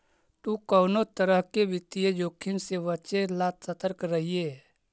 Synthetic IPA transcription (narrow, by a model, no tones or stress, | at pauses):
t̪ukəʊnot̪əɾəɦkebɪt̪ijed͡ʒoːkʰːɪnseʋət͡ʃelat̪sət̪əɾkɾəɦie